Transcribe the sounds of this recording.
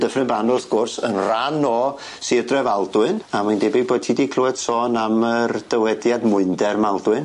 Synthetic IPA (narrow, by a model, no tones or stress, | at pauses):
dəfrɪnbanʊθɡ̥ʊrsənranɔ | sidrɛvalˠdwɨnamajndɛbiboːd̚tʰidikʰluɛd̥sɔːnamərd̥əwɛdjadmʊɨndɛrmalˠdwɨn